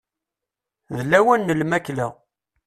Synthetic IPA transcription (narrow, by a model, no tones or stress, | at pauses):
ðəlːæwænːəlmæklæ